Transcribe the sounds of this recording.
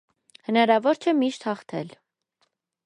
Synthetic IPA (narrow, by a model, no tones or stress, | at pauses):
hənɑɾɑvɔɾt͡ʃʰɛmiʃt̪hɑχt̪ʰɛ̰l